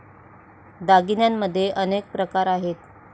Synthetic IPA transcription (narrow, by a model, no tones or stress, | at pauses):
d̪aɡinjamːəd̪ʱːjeʔənek̚pɾəkaɾaɦet̪